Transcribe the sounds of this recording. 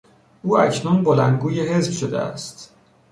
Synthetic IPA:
ʔuːæ̰cʰnunbolænd̪ɡuːjeɦe̞zbʃod̪ḛæ̰st̪

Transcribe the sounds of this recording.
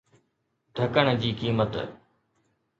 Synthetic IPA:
ɖʱəkəɽ̃d͡ʑiːkiːmət̪

